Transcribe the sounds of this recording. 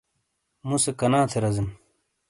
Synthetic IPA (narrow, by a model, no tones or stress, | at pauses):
musekɐnaːt̪ʰeɾɐzin